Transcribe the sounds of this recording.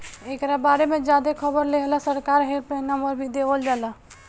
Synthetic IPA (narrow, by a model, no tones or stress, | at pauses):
ekɾabaɾemed͡ʒad̪ekʰəbəɾleɦlasəɾkaɾɦelpɾenaməɾbʱid̪ebəld͡ʒalaɦ